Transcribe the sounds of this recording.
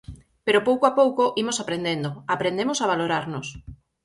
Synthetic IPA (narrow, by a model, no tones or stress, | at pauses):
peɾopowkoapowkoʔimosapɾend̪end̪oapɾend̪emʊsaβaloɾaɾnʊs